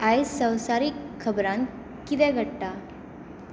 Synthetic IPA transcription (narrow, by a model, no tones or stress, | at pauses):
ajsə̃w̃saɾikʰːəbɾãn | kit̪ɛ̃ɡʱəɽʈa